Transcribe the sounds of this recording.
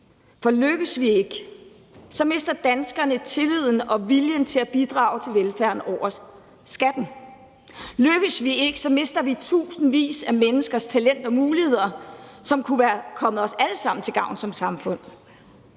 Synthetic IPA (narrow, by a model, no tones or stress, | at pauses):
fɒ̽løɡ̥əsʋieɡ̥ | sɒ̽me̝sd̥ɐd̥ænsɡ̥ɐnət͡sʰe̝lið̞̰ˠn̩ɒ̽ʋiljənt͡sʰe̝læb̥id̥ʁɑ̰̈ːʊt͡sʰe̝lʋelfæɐ̰nɒʊ̰ɐ | sɡ̥æd̥n̩ | løɡ̥əsʋie̝ɡ̥əsɒ̽me̝sd̥ɐʋit͡sʰṵːsn̩ʋḭːsæmenəsɡ̥ɐst͡sʰælen̰d̥ɒ̽muːlihe̝ð̞̰ˠɐsɒ̽mkʰuʋæːɐkʰɒ̽mð̩ˠɒ̽sæləsɑ̈m̰n̩t͡sʰe̝lɡ̥ɑ̈ʊ̰n̩sɒ̽msɑ̈mfɔ̽n̰